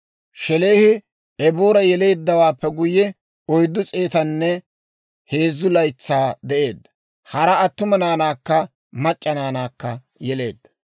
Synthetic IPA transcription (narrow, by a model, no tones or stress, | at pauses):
ʃɛle̞ːhɪ | ɛboːɾɐjɛle̞ːd̪ːɐwaːpːɛɡʊjɛ | ɔjd̪ːʊt͡sʼe̞ːt̪ɐnːɛ | he̞ːzːʊlɐjt͡sːaːd̪ɛʔe̞ːd̪ɐ | hɐɾɐːt̪ːʊmɐnaːnaːkːɐ | mɐt͡ʃʼːɐnaːnaːkːɐ | jɛle̞ːd̪̥ːɐ̥